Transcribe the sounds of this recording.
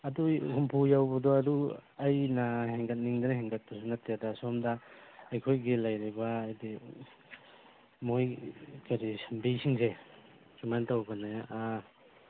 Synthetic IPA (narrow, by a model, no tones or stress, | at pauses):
ɐduhumpʰujawbɐdɔɐduajnaheŋɡɐt̚niŋdɐnɐheŋɡɐt̚pasunatadasɔmdaːjkʰojɡelajɾibaːjdi | mojkaɾisɐmbisiŋse | sumantawbɐnea